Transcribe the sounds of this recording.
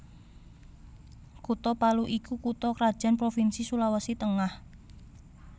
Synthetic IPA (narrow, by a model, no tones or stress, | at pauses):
kut̪ɔpaluʔikukut̪ɔkɾad̥ʒ̥a̤npɾofinsisulawasit̪əŋah